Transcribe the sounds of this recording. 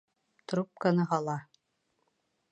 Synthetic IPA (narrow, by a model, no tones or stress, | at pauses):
t̪ɾup̚kanɤɦɑlˠɑ